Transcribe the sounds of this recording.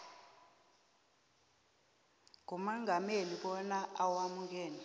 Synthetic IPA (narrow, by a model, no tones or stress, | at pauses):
ŋʱumaŋʱameliɓɔnaawamuɡ̬ɛːnɛ